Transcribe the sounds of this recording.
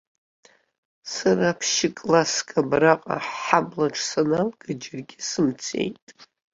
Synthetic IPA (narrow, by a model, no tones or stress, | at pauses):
saraːpʰʃɪkʼlaskʼabraqʼa̰ħablaʈ͡ʂʰsanalɡɨd͡ʒɪrɡʲɪsɨmt͡sʰe̞̰jtʼ